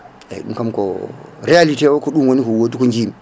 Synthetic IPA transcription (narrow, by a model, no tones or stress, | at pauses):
ḛɗṵnkamko̰ɾialitewokoɗunwonikowotukond͡ʒim